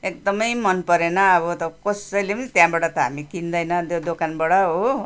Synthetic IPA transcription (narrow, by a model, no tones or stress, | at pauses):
ek̚d̪ʌmʌjmʌnpʌɾenʌːbʌt̪ʌkʌsʌjlepʌit̪jãbaɽʌt̪ʌɦamikind̪ʌjnʌd̪od̪okanbaɽʌɦo